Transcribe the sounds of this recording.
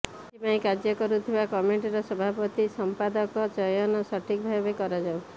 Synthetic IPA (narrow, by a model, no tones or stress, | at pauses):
ipaĩkad͡ʒjɔkɔɾut̪ʰibakɔmeɳʈɔɾɔsɔbʱapɔt̪isɔmpad̪ɔkɔd͡ʒɔjɔnɔsɔʈʰikɔbʱabekɔɾad͡ʒaw